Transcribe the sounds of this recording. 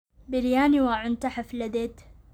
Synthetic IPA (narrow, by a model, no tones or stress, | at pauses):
bɪljaːniwaʕʊnt̪aħaflad̪et̪